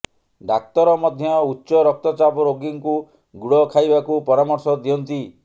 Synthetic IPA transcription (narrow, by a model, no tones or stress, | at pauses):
ɖak̚t̪ɔɾɔmɔd̪ʱjɔutːʃɔɾɔk̚t̪ɔt͡ʃabɔɾoɡiŋku | ɡuɽɔkʰajbakupɔɾamɔɾsɔd̪iɔnt̪i